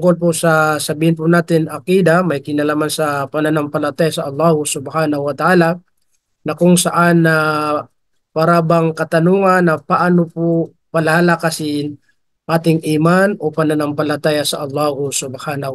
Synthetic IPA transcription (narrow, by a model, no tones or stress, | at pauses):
t̪ʊŋkolp̬ʊsɐsɐbiːhɪnp̬ʊnaːt̪ɪnʔɐkiːd̪amɐjkɪnɐlaːmansɐpɐnanaŋpɐlɐt̪aːjasɐʔɐlˠːaːhʊsʊbhaːnɐhʊɐt̪ɐʔaːlɐ | nɐkʊŋsɐʔanːɐ | paːɾabɐŋkɐt̪ɐnuːŋɐnːɐpɐʔanopʊ | pɐlalakasɪn | ʔaːt̪ɪŋʔɪmanʔopɐnanaŋpɐlɐt̪aːjɐsɐʔɐlːaːhʊsʊbhaːnɐ